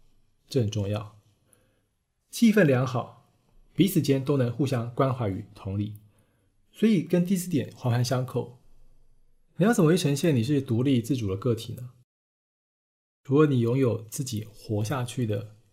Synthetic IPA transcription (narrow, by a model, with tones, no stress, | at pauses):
ʈ͡ʂə˥˩ə˨˩ʈ͡ʂʊ˥˧ŋjɑ˥˩ʊ | t͡ɕʰi˥˧fə˥˩nljɑ˧˥ŋxɑ˨˩˦ʊ | pi˧˥t͡sʰɹ̩˨˩t͡ɕjɛ˥nt̪o˥ʊnɤ˧˥ŋxu˥˧˩ɕjɑ˥ŋkwa˥nxwa˧˥y̰˨˩˦t̪ʰʊ˧˥ŋli˥˩ | swɔ˧˥i˨˩kə˥nt̪i˥˧sɹ̩˥˩t̪jɛ˨˩nxwa˧˥fa˧˥nɕjɑ˥ŋkʰo˥˨˩ʊ | ni˨˩jt͡sə˨˩m˨˧˥i˥˩ʈ͡ʂʰə˧˥ŋɕjɛ˥˩ni˨˩ʂ̬ɻ̩˥˩t̪u˧˥li˥˧t͡sɹ̩˥˩ʈ͡ʂu˨˩d̪ə˦kɤ˥˩t̪ʰḭ˨˩nə˦ | ʈ͡ʂu˧˥lə˧˦ni˨˩jʊ˧˥ŋjo˨˩ʊt͡sɹ̩˥˩t͡ɕi˨˩xwɔ˧˥ɕ̬ja˥˧t͡ɕʰy˥˩d̪ə̰˩